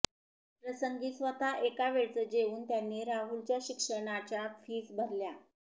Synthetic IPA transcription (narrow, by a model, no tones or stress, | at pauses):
pɾəsəŋɡiːsʋət̪aʔekaʋeɭt͡səd͡ʑeuːnt̪janːiːɾaɦult͡ɕjaɕikʂəɳat͡ɕjafiːsbʱəɾlja